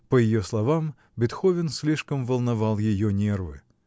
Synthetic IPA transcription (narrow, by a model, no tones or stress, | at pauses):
pəjɪjoslˠɐvam | bʲɪt̪xovʲɪnsʲlʲiʂkəmvəlˠnɐvalˠjɪjonʲervɨ̰